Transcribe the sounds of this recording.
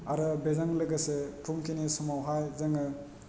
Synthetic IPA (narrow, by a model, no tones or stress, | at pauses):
aɾɯbezaŋlɯɡɐsepʰuŋkʰinisɔmawɦajzaŋɯ